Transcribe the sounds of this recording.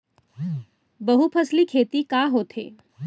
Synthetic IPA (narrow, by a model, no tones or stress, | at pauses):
bəɦupʰəsliːkʰet̪iːkaɦot̪ʰḛ